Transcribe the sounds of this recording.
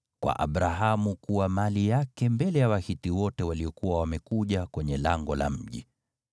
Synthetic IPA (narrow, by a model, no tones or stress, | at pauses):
kwa̰ʔa̰ɓɾaɦamukuwamalijakɛmbɛlɛjawahitiwɔtɛwaliɔkuwawamɛkuʄakwɛɲɛlaŋɡɔla̰m̩ʄḭ